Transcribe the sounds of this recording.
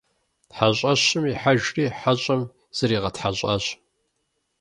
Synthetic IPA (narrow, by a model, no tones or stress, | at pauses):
tħaɕʼɐɕɪmiħaʒriːħaɕʼɐm | z̥ɐɾiːʁɐtħaɕʼɐ̰ɕ